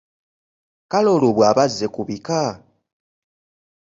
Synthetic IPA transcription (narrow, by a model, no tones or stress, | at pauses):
kalo̞loβwaːβazːe̞kuβika